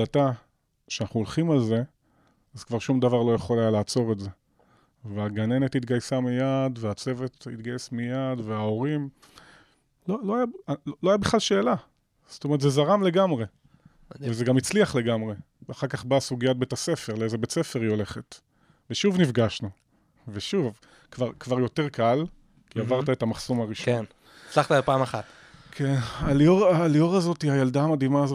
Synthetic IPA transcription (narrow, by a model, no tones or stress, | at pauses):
ata | ʃeanaχnuolχimalze̞ | azkvaʁʃumd̪avaʁlo̞jeχo̞lajalaːt͡so̞ʁetze̞ | veaɡane̞net̪hit̪ɡajsamijadveat͡se̞vet̪it̪ɡajesmijad̪veao̞ʁim | loloajaolo̞ajabiχlalʃeːla | zt̪omeʁtzezaʁamle̞ɡamʁe̞ | vezeɡamit͡sliaχle̞ɡamʁe | vaχaʁkaχbaːsuɡijat̚bet̪ase̞fe̞ʁleezebet͡sefe̞ʁio̞le̞χet | veʃuvnifɡaʃnu | veʃuv | kvaʁkvaʁjo̞te̞ʁkal | kiavaʁt̪aetamaχsomaʁiʃn | t͡slaχtalpaːmaχat̪ | kʰenaalioʁaːlioʁazo̞tiajald̪aːmad̪imaːzo